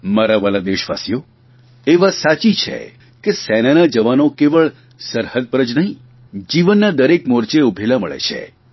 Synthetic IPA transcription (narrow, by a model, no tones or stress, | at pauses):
maɾaʋəlad̪eʃʋa̰sjo | eʋasat͡ʃit͡ʃʰḛ | kesɛnanad͡ʒəʋanokeʋəɭ | səɾhəd̪̚pəɾəd͡ʒnəɦĩ | d͡ʒiʋənːad̪əɾekmoɾt͡ʃeubʱelaməɭḛt͡ʃʰḛ